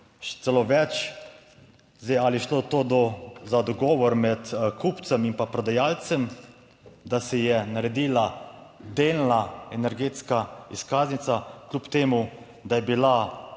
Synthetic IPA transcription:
ʃɛ̥t̪sɛloʋɛt͡ʃ | zd̪ɛjaliɛʃloːt̪oːd̪ɔzad̪ɔɡɔːʋɔɾmɛt̪kʰupt̪sɛmimpapɾɔd̪ajaːlt̪sɛm | d̪asɛjɛnaɾɛd̪iːlad̪eːlnaɛnɛɾɡeːt̪skaiskaːznit̪saklʲupt̪eːmu | d̪ajɛbila

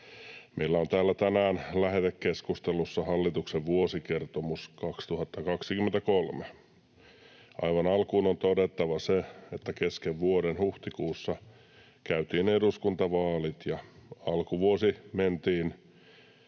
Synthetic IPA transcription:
meilːæont̪æːlːæt̪ænæːnlæɦet̪ekkeskust̪elusːɑhɑlːit̪ukseʋʋuosikert̪omuskɑkst̪uhɑt̪ːɑkɑksikymːent̪ækolme | ɑ̰iʋɑnɑlkuːnont̪odet̪ːɑʋɑseet̪ːækeskeʋʋuoɾenhuht̪ikuːsːɑ | kæyt̪iːneduskunt̪ɑʋɑːlit̪jɑɑlkuʋuosiment̪iːn

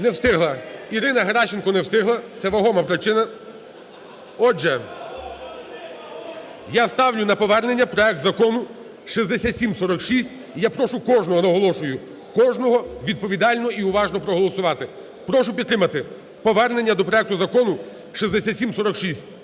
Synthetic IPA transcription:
nɛwst̪ɪɦlˠɐiɾɪnɐɦɐɾɑʃenkɔnɛwst̪ɪɦlˠɐt̪sɛʋɐɦɔmɐpɾɪt͡ʃɪnɐ | ɔʒɛ | jast̪ɑwlʲʊnɐpɔʋɛrne̞nʲːɐpɾɔɛk̚t̪zɐkɔnʊ | ʃizd̪esʲatʲsʲimsɔɾɔkʃisʲtʲ | ijapɾɔʃʊkɔʒnɔɦɔnɐɦɔlˠɔʃʊjʊ | kɔʒnɔɦɔʋʲid̪̚pɔʋʲid̪ɑlʲnɔiʊʋɑʒnɔpɾɔɦɔlˠɔsʊʋɑt̪ɪ | pɾɔʃʊpʲid̪t̪ɾɪmɐt̪ɪ | pɔʋɛrne̞nʲːɐd̪ɔpɾɔɛkt̪ʊzɐkɔnʊ | ʃizd̪esʲatʲsʲimsɔɾɔkʃisʲt̚ʲ

